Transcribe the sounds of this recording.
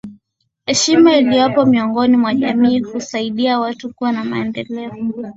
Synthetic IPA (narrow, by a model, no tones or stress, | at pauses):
hɛʃimailijɔpɔmiɔŋɡɔnimwaʄamiːhusaiɗiawatukuwanama̰ɛndɛlɛɔ